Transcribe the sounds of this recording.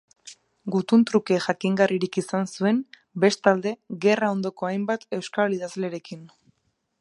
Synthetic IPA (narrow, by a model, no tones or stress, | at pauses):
ɡut̪unt̪ɾuke̞ʝakiŋɡariɾikisansue̞m | be̞st̪ald̪e̞ɣe̞rao̞nd̪o̞ko̞ajmbat̪e̞wskaliðazle̞ɾe̞kin